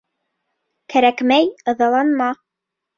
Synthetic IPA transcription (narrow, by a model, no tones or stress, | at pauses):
kæɾækmæjɤ̆ðɑlˠɑnmɑ